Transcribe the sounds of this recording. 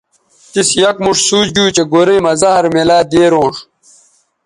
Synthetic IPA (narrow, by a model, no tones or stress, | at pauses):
t̪isjɐkmuʂsuːd͡ʑd͡ʑuːt͡ɕeɡoɾijmɐzɐɦɐɾmelaːd̪eːɾõːʂ